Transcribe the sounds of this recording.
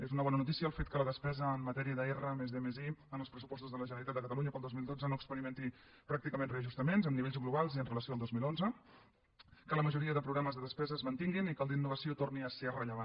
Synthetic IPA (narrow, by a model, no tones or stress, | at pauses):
ezunəβɔnənut̪̬isiəːlˠfet̪̚kələðəspɛzəːmːət̪ɛɾiəðəɛrəmezðemeziənəlˠspɾəsu̥pɔst̪uzðələʒənəlit̪at̪əkət̪əluɲəpəlˠd̪ozmilˠd̪od͡zənoəkspəɾiment̪i | pɾak̚t̪ikəmẽnreəʒust̪əmenzəmniβeʎzɣluβ̞alˠziənrələsiolˠd̪ozmilˠonzə | kələməʒuɾiəðəpɾuɣaməzðəðəspɛzəːzmənt̪iŋɡinikəlˠd̪inːuβəsiot̪orniəserəʎəβan